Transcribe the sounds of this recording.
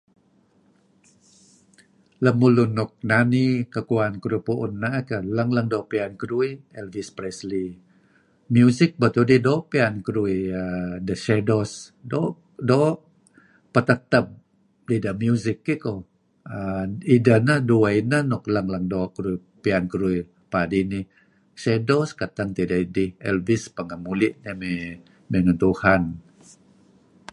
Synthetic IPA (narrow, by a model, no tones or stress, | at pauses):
ləmulunɔk̚nanikəkuankəɾupuʔunːakələŋləŋdɔpiankəɾuiɛlvispɾɛsli | mjuzɪk̚bət̪udidopiankəɾuiədəʃɛdosdo | do | pət̪ət̪əp̚ | didəmjuzɪkːiko | əidənəhduainəhnɔklaŋlaŋdoʔkəɾui | piankəɾui | padini | sedoskat̪aŋt̪idaʔidihɛlvispəŋamulɪʔ̚ɲəme | meŋənt̪uhan